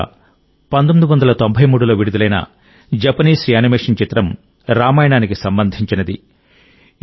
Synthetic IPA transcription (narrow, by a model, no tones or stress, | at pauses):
pɐnt̪omid̪uʋɐnd̪ɐlɐt̪ombʱɐjmuːɽulo̞ːʋiɽud̪ulɐjnɐ̰ | d͡ʒɐpɐniːsɾijaːnimeːʂɐnt͡ʃit̪ɾɐm | ɾaːmaːjɐɳaːnikisɐmbɐnd̪ʱiɲt͡ʃinɐd̪i